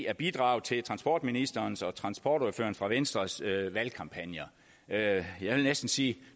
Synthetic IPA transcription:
æɐb̥id̥ʁɑ̈ːʊt͡sʰe̝lt͡sʰʁɑ̈nsb̥ɒ̰ːd̥minisd̥ɐːnsɒ̽t͡sʰʁɑ̈nsb̥ɒːɾ̥ofø̰ːɐnfʁɑ̈ʋensd̥ʁɐsøʋælkʰɑ̈mpʰænjɐ | jɑ̈ɪʋe̝lnesd̥n̩siː

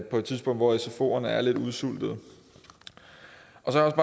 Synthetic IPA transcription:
pʰɒ̽e̝̥t͡sʰiðˠsb̥ɔ̽ŋ̰d̥ʋɒeso̝fo̝̰ːɐnəæɐle̝d̥uðˠsul̰d̥ð̞̩ˠ | ʔɒ̽sɒjɒ̽sb̥ɑ

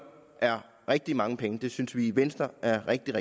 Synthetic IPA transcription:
ʔæɐ | ʁɛɡ̥̚d̥imɑ̈ŋəpʰeŋəd̥e̝synsʋiiʋensd̥ɐʔæɐʁɛɡ̥̚d̥iʁɛ

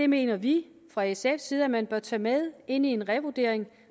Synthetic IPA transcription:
d̥e̝me̝̰ːnɐʋi | fʁɑ̈esefsiːð̞̩ˠæmænb̥ɶɐt͡sʰɛ̰ːmeð̞ˠe̝n̰ie̝nʁɛʋod̥e̝ɐ̰eŋ

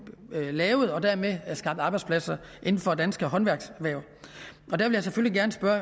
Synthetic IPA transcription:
lɛːʊð̞̩ˠɒ̽d̥æɐmesɡ̥ɑ̈b̥̚d̥ɑ̈ːbɑ̈ɪdspʰlæsɐ | ʔe̝nn̩fɒ̽d̥ænsɡ̥əɦɒ̽nʋæɐɡ̥sʋæɐʊ | ɒ̽d̥æɐʋe̝ljɑsefølliɡ̥æɐnəsb̥ɶɐ

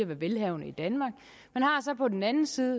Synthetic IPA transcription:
æʋæɐʋelɦɛʊnəid̥ænmɑ̈ːɡ̥ | menhɑ̈sɒ̽pʰɒ̽d̥enænn̩siːðˠ

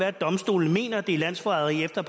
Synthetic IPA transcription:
æɐ̰d̥ɒ̽msd̥o̝̰ːln̩me̝̰ːnɐd̥elæn̰sfɒɑðˠiefd̥ɐpʰ

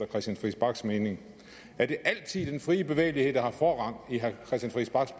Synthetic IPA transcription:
ɐkʰʁɛsd̥jænsfʁisb̥ɑ̈ɡ̥sme̝ːne̝ŋ | æɐd̥e̝ʔæl̰t͡sʰið̰ˠd̥enfʁiːəb̥e̝ʋḛːɪlihe̝ð̰ˠd̥ɑhɑ̈fɒːʁɑ̈n̰̥iɦækʰʁɛsd̥ænfʁisb̥ɑ̈ɡ̥s

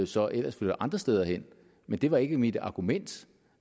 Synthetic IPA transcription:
osɒ̽ʔel̰ɐsføld̥ɐʔɑ̈nd̥ʁɐsd̥eːð̞ˠɐɦen̰ | mend̥e̝ʋɑ̈e̝ɡ̥əmid̥ɑ̈ɡ̥umen̰d̥

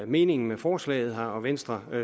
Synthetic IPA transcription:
me̝̰ːne̝ŋn̩mefɒːslɛ̰ːɪð̞̩ˠɦɑ̈ɒ̽ʋensd̥ʁɐ

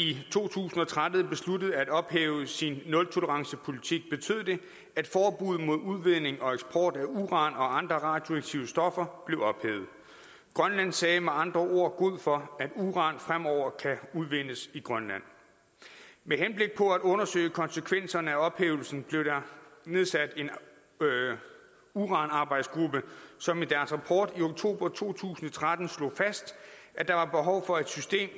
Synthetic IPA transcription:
it͡sʰo̝̰ːt͡sʰṵːsn̩ɒ̽t͡sʰʁad̥ð̩ˠb̥e̝sludəð̩ˠæd̥ɒ̽b̥heːʊəsinːɔ̽lt͡sʰo̝ləʁɑ̈ŋsəpʰo̝lit͡sʰiɡ̥̚b̥e̝t͡sʰø̰ðˠd̥e̝ | æd̥fɒːb̥uð̞̰ˠmo̝ð̞̰ˠuð̞ˠʋe̝ð̰ˠne̝ŋɒ̽eɡ̥sb̥ʰɒ̰ːd̥æuʁɑ̈nɒ̽ɑ̈nd̥ʁɐʁɑ̈ːd̥jo̝äɡ̥̚t͡sʰiʊəsd̥ɒ̽fɐb̥le̝ʊɒ̽b̥hḛːʊð̩ˠ | ɡ̥ʁɶnlæn̰sɛːmeɑ̈nd̥ʁɐʔo̝ɐ̰ɡ̥o̝ð̞̰ˠfɒ̽æd̥uʁɑ̈nfʁamɒʊ̰ɐkʰæuð̞ˠʋen̰əsiɡ̥ʁɶnlæn̰ | meɦenb̥le̝ɡ̥̚pʰɒ̽æd̥ɔ̽nɐsø̰ɪəkʰɒ̽nsəkʰʋen̰sɐnəæɒ̽b̥hḛːʊl̩sn̩b̥le̝ʊd̥ɑ̈ne̝ð̞ˠsæd̥e̝n | uʁɑ̈ːnɑ̈ːbɑ̈ɪd̥sɡ̥ʁub̥əsɒ̽mid̥æɐsʁɑpʰɒ̰ːd̥ioɡ̥̚t͡sʰo̝̰ːb̥ɐt͡sʰo̝̰ːt͡sʰṵːsn̩ɒt͡sʰʁad̥n̩slɔ̰fæsd̥ʔæd̥ɑ̈ʋɑ̈b̥e̝ɦɒʊfɒ̽e̝d̥sysd̥e̝̰ːm

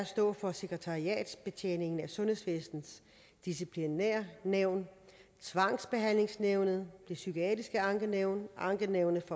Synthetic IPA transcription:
ɐsd̥ɔ̰̽ːfɒ̽se̝ɡ̥ʁət͡sʰɑ̈iɛ̰ːd̥sb̥e̝t͡sʰḛːne̝ŋn̩æsɔ̽nhe̝sʋesd̥n̩s | d̥is̬ipʰlineɐ̰neʊn | t͡sʰʋɑ̈ŋ̰sb̥e̝ɦæn̰le̝ŋsneʊnəð̞̩ˠd̥e̝sykʰoɛd̥isɡ̥əɑ̈ŋɡ̥əneʊ̰nʔɑ̈ŋɡ̥əneʊnəfɒ

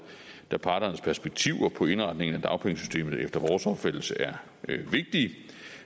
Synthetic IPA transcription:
d̥æpʰɑ̈ːd̥ɐnəspʰæɐsb̥eɡ̥̚t͡sʰiʊ̰ɐpʰɒ̽e̝nʁɑ̈d̥ne̝ŋn̩æd̥ɑ̈ʊpʰeŋsy̥sd̥e̝̰ːmð̩ˠefd̥ɐʋɒːsɒ̽b̥fel̥̰l̩səʔæɐ | ʋe̝ɡ̥̚d̥iː

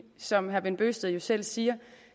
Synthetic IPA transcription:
sɒ̽mhæɐʋenb̥øːsd̥əðˠjo̝sel̰siːɐ

